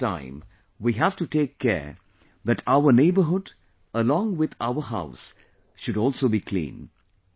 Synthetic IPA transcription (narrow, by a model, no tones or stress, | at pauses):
ã̰ɪ̃m | wiɦæv̥ʈuʈeːkʰːɛ̰ː | ðæʈʰaʊəneɪbəɦʊd | əlɔ̃ːŋwɪd̪a̰ʊəɦa̰ʊs | ʃʊɾɔːlˠsoːbikʰlḭ̃ːn